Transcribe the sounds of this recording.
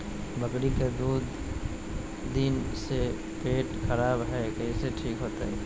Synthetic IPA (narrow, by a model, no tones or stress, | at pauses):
bɐkɾiked̪uːd̪ | inse | peːʈxɐɾaːbɦɛkɛiseʈʰiːkɦoːt̪aɦɛː